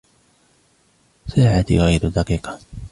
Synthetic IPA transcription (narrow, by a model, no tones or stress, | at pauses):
saːʕat̪ḭɣajd̪ʊd̪ɑqiːqɑ̥